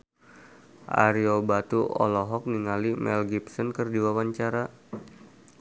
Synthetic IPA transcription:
ʔa̰ɾiobat̪uɔ̰lɔɦɔk̚niŋalimɛ̰lɡipsɔnkərdiwawaɲt͡ʃaɾa

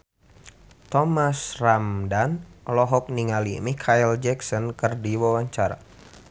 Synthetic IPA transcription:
t̪ɔmasramdanlɔɦɔk̚niŋalimikʰaild͡ʒɛksɔnkɨrdiwawaɲt͡ʃaɾa̰

